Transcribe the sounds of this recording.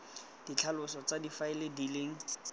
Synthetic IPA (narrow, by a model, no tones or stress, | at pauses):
d̥it͡ɬʰalʊsɔt͡sadifaɪlɪdileːŋ̩